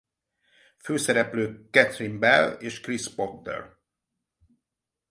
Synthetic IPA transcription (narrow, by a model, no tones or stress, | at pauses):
føːsɛɾɛpløːkɛt̪rimbɛleːʃkrispokd̪ɛ̰r